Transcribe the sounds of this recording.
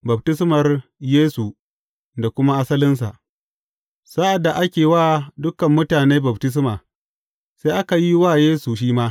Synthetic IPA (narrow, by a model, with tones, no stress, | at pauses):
bɐ˨b̚tɪ˦s̬mɐ˨rjeː˦su˨ | da˨kʷʊ˦ma˦ʔa˦sɐ˦lɪ˦ns̬a̰˨ʔ | sa˦ʔa˨dːa˨ʔa˦kʲeː˨waː˦dʊ˦kɐ˨mːʊ˦taː˨neː˦bɐ˨btɪ˦s̬maː˨ | seː˦ʔa˦ka˨ji˦waː˦˨jeː˦su˨ʃ̬iː˦maː˦